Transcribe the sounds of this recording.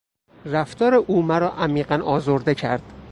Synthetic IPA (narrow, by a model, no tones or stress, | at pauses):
ræft̪ɒːɾeʔuːmæɾɒːʔæmiːɢænɒːzoɾd̪e̞cʰæ̰ɾd̪̥